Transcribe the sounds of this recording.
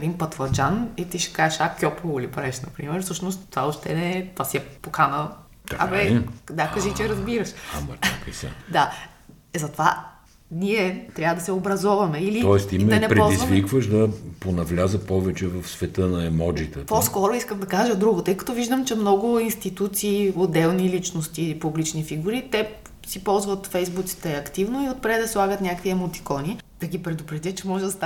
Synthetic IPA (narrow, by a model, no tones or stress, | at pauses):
d̪inpɐt̪vɐɾd͡ʒanit̪iʃɛ̥kaʃakʲɔpovʊilipɾaɛʃnɐpɾimɛɾfsɤʃnost̪ːovaoʃt̪ɛnɛt̪vasiɛpokanə | t̪kɐbɛd̪akaʒit͡ʃɛɾɐzbiɾəʃa̰mɐ̰t͡ʃakisə̰d̪a | ɛzɐt̪ova̰ | niɛt̪ɾʲavəd̪ɐsɛobɾɐzɔvɐmɛiliɔɛst̪imɐnɛpɾɛɔd̪izvikvəʃd̪ɐponɐvlʲazəpɔvɛt͡ʃɛvɐfsvɛt̪ɤnɐɛmɔd͡ʒit̪ɛpɔskɔɾʊiskəmd̪ɐkaʒɐd̪ɾuɡot̪ɤjkɐ̥t̪ɔviʒd̪əmt͡ʃɛmnɔɡʊinst̪it̪ut̪siːod̪ɛlˠnilit͡ʃnost̪ipublit͡ʃnifiɡuɾit̪ɛ | sipɔlˠzvɐt̪fɛjzbut̪si̥t̪ɛɐkt̪ivnoiot̪̚pɾɛd̪əslˠaɡət̪nʲakviɛmont̪i̥kɔni | d̪̥ɐɡipɾɛd̪ʊpɾɛd̪ʲət͡ʃɛmɔʒɛ